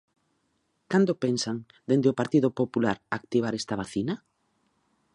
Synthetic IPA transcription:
kand̪opensaŋ | d̪end̪ɪopaɾt̪iðopopulaɾak̚t̪iβ̞aɾɛst̪aβ̞aθina

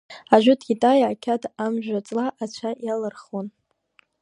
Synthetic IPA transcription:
aʒʷᶣʊtʰɡʲitʼajaːkʲʰatʰamʒᶣʷat͡sʼlaʔat͡ɕʷʰajalɨrχon

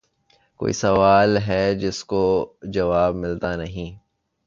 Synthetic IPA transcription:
ko̰ːḭsɐʋaːlɦɛd͡ʒɪskod͡ʒɐʋaːbmɪlt̪anɐɦĩː

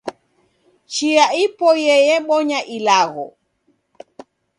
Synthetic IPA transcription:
t͡ʃiaipɔjɛjɛɓɔɲaʔilaɣɔ̰

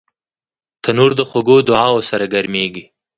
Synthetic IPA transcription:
t̪ʰanuɾd̪əxaɡod̪ʊʕɑwosaɾaɡaɾmeɡi

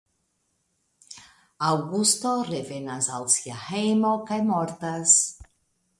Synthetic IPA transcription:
awɡust̪orevenazalsjahejmokajmɔɾt̪as

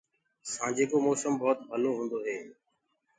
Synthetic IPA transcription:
sãːd͡ʒeːkoːmɔːsəmbɔːt̪bʱəloːɦũːnd̪oːɦeː

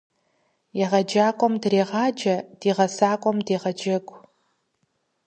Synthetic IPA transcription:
jɛʁɐd͡ʒaːkʷʼɔmdreːʁɑːd͡ʒɐd̥iːʁɐsaːkʷʼɔmdiːʁɐd͡ʒɐɡʷʼ

